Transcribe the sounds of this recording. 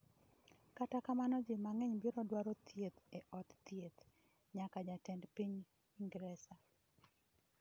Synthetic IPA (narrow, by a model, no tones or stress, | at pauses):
katakamanɔd͡ʒɪmaŋɛɲbiɾɔdwaɾɔt̪ʰjet̪eʔɔtt̪jet̪ | ɲakad͡ʒatɛndpiɲ | iŋɡɾɛsa